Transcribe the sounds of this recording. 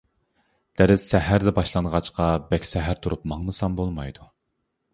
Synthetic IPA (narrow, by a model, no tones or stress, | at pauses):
d̪̥æɾɪsːæɦæɾd̪ɛbɑʃlˠɑnʁɑt͡ʃqʰɑbɛkʲsɛɦæɾt̪ʰuɾupmɑŋnɨsɑmbolˠmɑjd̪u